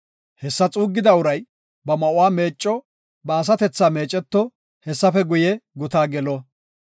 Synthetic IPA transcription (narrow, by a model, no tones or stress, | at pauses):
hɛsːɐt͡sʼuːɡːɪd̪ɐʊɾɐj | bɐmɐʔʊwaːme̞ːt͡ʃʼːɔ | bɐːs̬ɐt̪ɛt͡sːaːme̞ːt͡ʃʼːɛt̪ːɔ | hɛsːɐfɛɡʊjɛɡʊt̪aːɡɛlɔ